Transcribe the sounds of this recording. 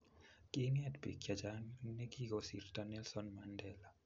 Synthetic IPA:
kʼɪnjadbḛkjad͡ʒannɛɡiɡɔsḭrtanɛlsɔnmandɛla

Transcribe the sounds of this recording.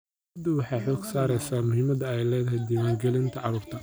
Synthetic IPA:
ɐd̪ʊwɑħɑjħɔːɡsaːɾɛjsaːmʊhiːmɐd̪ɐɛjlɛːðɐɦɛjd̪imaːŋɡɛlɪnt̪ʰɐʕɑɾuːrt̪ʰɐ

